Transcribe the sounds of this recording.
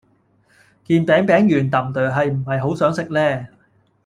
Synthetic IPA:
kiː˧npɛː˨˥ŋpɛː˨˥ŋjyː˨˩nt̪ɐ˨˩mt̪œː˨˩ɦɐ˨jm̩˨˩hɐ˨jɦo˨˥wsœː˨˥ŋsɪ˥k̚lɛː˥˩

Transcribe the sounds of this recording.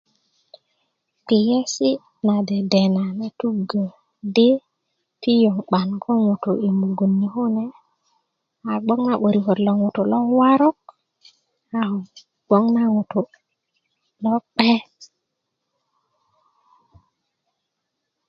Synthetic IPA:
k͡pi˨je˦si˦ | na˨de˨de˨na˨ne˨t̪u˦ɡə˨ | de˦ | pi˦jo˨ŋk͡pa˨nkʰo˦ŋu˨t̪u˨i˨mbu˨ɡu˨nːi˨hu˦ne˨ | a˨ɡ͡bo˦ŋna˦ɓo˨ɾi˨ko˨tlo˨ŋu˨tu˨lo˦wa˦ɾo˦k̚ | a˦hu˨ | ɡ͡bo˦ŋna˦ŋu˨t̪u˨ | lo˦k͡pe˦

